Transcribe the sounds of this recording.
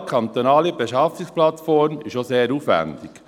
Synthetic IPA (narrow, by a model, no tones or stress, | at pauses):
kʰɑnt̪onɑːlibeʃɑfiksplɑtfɔɾmɪʃoseːɾuːfʋæ̰ndɪk